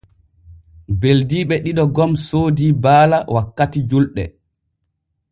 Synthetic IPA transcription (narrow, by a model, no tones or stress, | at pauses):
beldiːɓɛɗiɗɔɡɔmsoːdiːbaːlawakːatid͡ʒulɗɛ̰